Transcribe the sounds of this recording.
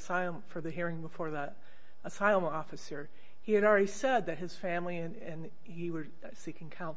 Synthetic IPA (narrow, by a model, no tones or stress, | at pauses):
saɪlˠə̃ɱfə˞ðɨɦiɹɪ̃ŋbəfɔɹðəɾ | əsaɪlˠə̃mɔfɨsə˞ | hiɨɾl̩ˠɹɛɾisɛd̪̚ðɨt̚hɨz̥fæ̃mliɨ̃nɨ̃n | iwə˞ | sikɪ̃ŋkʰãʊ̃n